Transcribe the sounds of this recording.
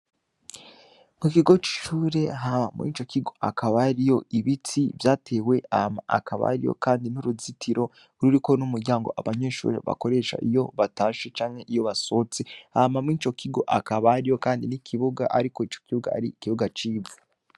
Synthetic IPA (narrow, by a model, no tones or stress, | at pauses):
mukiɡo̞t͡ʃi̥ʃuːɾe̞ɦamamŋḭt͡ʃo̞kiɡo̞akʰaβaɾijo̞ʔiβitʰivjaːtʰe̞ːwe̞ahama̰ʔa̰kʰaβa̰ɾḭjo̞̰kaːndinuɾuzitʰiɾo̞ | ɾuɾiko̞numuɾɟaːŋɡo̞ʔa̰βaɲe̞ːʃṵːɾe̞̰βa̰ko̞ɾe̞ʃa̰ʔijo̞βataːʃet͡ʃaːŋhe̞ʔijo̞βaso̞t͡seahamamŋit͡ʃo̞kʰiɡo̞̰ʔakaβaɾijo̞kaːndinikʰiβuɡaʔa̰ɾiko̞it͡ʃo̞̥kiβuɡa̰a̰ɾikiβuɡat͡ʃiːvu